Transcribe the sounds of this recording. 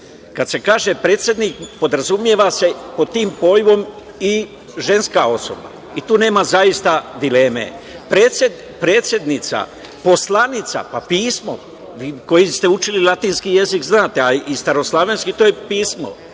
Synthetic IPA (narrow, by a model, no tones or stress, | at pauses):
kad̪se̞kaːʒe̞pɾe̞ːt̪sʲje̞d̪nikpo̞d̪ɾazumje̞ʋase̞pod̪̚t̪iːmpo̞jʋo̞m | i | ʒe̞nskao̞so̰ba̰ | it̪uːne̞ːmazajist̪ad̪ile̞ːmḛpɾeːtse | pɾe̞ːt̪sje̞d̪nit̪sa̰ | po̞slanit̪sa̰papiːsmo̞̰ | ʋiːko̞jist̪eut͡ʃililˠat̪iːnskije̞zikznaːt̪eaist̪aɾo̞slˠaʋe̞nskit̪oːjepiːsmo̰